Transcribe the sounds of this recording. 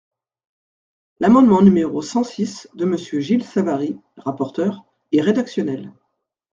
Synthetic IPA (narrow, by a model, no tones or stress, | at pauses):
lamɑ̃d̪mɑ̃nymeʁosɑ̃sisd̪əməsjøʒilsavaʁi | ʁapɔʁt̪œʁ | ɛʁed̪aksjɔnɛl